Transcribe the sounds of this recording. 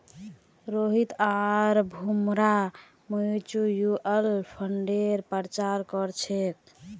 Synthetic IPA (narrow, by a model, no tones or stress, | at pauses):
ɾoɦit̪aɾbʱumɾa | mət͡ʃujuʔelpʰəɳɖeɾpəɾt͡ʃaɾkɔɾt͡ʃʰek̚